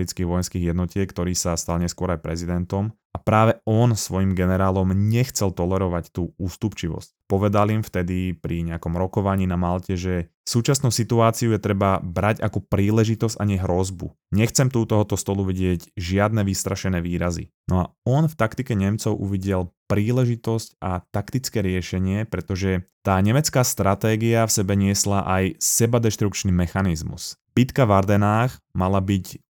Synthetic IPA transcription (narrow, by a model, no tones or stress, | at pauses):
ɾit͡skiːɣʋɔjɛnskiːɣjɛd̪nɔcɪɛkt̪ɔɾiːsast̪alɲɛskʊɔɾajpɾɛzid̪ɛnt̪ɔm | apɾaːʋɛɔnsʋɔjimɡɛnɛɾaːlɔmɲɛxt͡sɛlt̪ɔlɛɾɔʋact̪uːuːst̪upt͡ʃiʋɔ̰scpɔʋɛd̪alimft̪ɛd̪ipɾiɲɛakɔmɾɔkɔʋaɲiːnamalcɛʒɛ | fsuːt͡ʃasnuʊsit̪uaːt͡siujɛt̪ɾɛbabɾaɟakɔpɾiːlɛʒit̪ɔzca̰ɲɛɦɾɔzbu | ɲɛxt͡sɛmt̪uːt̪ɔɦɔt̪ɔst̪ɔluʋiɟɪɛɟʒɪad̪nɛʋist̪ɾaʃɛnɛːʋiːɾazḭnʔɔa̰ɔnft̪akt̪ikɛɲɛmt͡sɔʊʔṵʋiɟɛlpɾiːlɛʒit̪ɔscat̪akt̪it͡skɛːɾɪɛʃɛɲɪɛpɾɛt̪ɔʒɛt̪aːɲɛmɛt͡skaːst̪ɾat̪ɛːɡiafsɛbɛɲɪɛslaʔajsɛbad̪ɛʃt̪ɾukt͡ʃnimɛxanizmṵsb̥it̪kavaɾd̪ɛnaːx | malabic